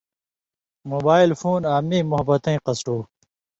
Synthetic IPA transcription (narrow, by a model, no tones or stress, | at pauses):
moːbaːilfuːnaːmiːmʊɦɐbɐt̪ɐ̃ĩqɐsʈuː